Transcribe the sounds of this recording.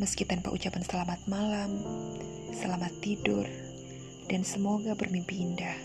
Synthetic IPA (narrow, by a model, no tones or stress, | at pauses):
məskit̪anpa̰ʔṵt͡ʃapansəlamat̪̚malam | səlamat̪ːidʊr | d̥ansəmoɡabərmimpiindah